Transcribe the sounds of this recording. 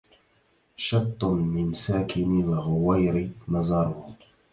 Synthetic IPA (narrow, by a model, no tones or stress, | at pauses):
ʃɑt̪ˤːʊmɪnsaːkɪnɪlɣʊwajɾɪnɑzˤɑɾˤʊh